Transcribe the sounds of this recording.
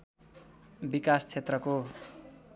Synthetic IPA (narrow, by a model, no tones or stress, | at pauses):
bikast͡sʰet̪rʌko